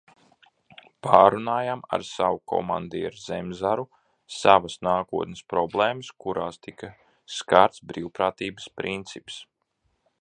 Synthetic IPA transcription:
paːɾunaːjama̰ɾsawukʰɔ̰ma̰nd̪ḭːaɾzemzaɾu | savɐsnaːkuɔt̪nɪspɾɔblˠeːmɐskuɾʔaːst̪ikɐ | skaɾt̪sbɾiːwpɾaːt̪iːbəspɾint̪sips

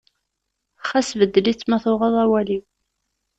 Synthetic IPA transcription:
χæsvəd̪ːəlit͡sːmæθʊʁɑðˤæwæliw

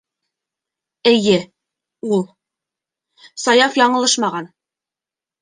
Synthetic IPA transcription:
ɘ̆jɘ | ulˠ | sɑjɑfjɑɴɤ̆lˠɤʃmɑʁɑn

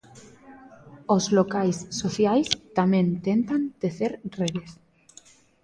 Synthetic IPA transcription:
ozlokajsːoθjajst̪amẽnt̪ent̪ant̪eθeɾreðes

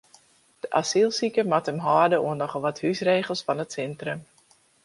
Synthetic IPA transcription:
d̥əʔasilˠsikəmatəmɦɔːrdəʔuənɔχəlˠʋɑthysreːχəlˠsfɑnətsɛntrəm

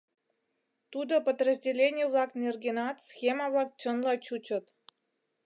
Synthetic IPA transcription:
t̪ud̪opəd̪rəzʲdʲelʲenʲijəβlˠɑknʲerɡʲenɑt̪sxʲemɑβlˠɑk̚t͡ɕə̆nlɑt͡ɕut͡ɕə̆t̪

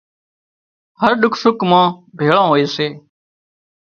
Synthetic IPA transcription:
həɾɗʊkʰsʊkmãːbʱeːɭãːɦoːeːseː

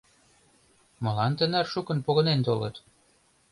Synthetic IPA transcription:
mɤ̆lɑnt̪ə̆nærʃukə̆npoɣɤ̆nent̪olɤ̰t̪

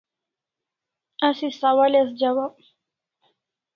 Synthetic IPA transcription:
asisawalas̬d͡ʒawap̚

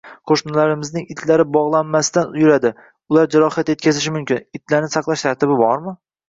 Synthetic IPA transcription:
qʰoʃnalaɾɪmɪznɪŋɪt̪ʰlaɾɪbɒʁlˠanmasɪd̪anʊjʊɾad̪ɪ | ʊlaɾd͡ʒaɾɒhat̪je̞t̪̚ʲkʲazɪʃ̬ɪmʊmkʲɪnɪt̪ʰlaɾnɪsɑqlˠaʃt̪ʰaɾt̪ɪbɪbɒɾmɪ

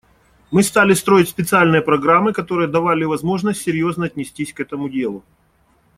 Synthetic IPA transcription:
mɨst̪alʲɪst̪ɾo̞ɪtʲsʲpʲɪt̪sɨalʲnɨjəpɾɐɡɾamːɨkɐt̪o̞ɾɨjəd̪ɐvalʲɪvɐzmo̞ʐnəsʲtʲsʲɪɾʲjo̞znəɐtʲnʲɪsʲtʲisʲkɛt̪əmʊdʲe̞lˠʊ

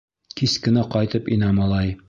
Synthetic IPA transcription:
kiskɘ̆næqɒjt̪ɤpinɑmɒlˠɑj

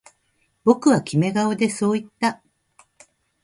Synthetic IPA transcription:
bo̞kɯ̟βakʲime̞ɡaod̪e̞so̞ːit̪ːa

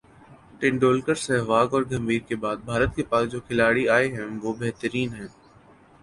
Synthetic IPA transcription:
ʈɪ̃ɳɖoːlkəɾsɛɦʋaːɡɔːɾɡɐ̃mbiːɾkebaːd̪̚bʱaːɾət̪̚kepaːsd͡ʒoːkʰɪlaːɽiaːeɦɛ̃ʋobeɦt̪əɾiːnɦɛ̃ː

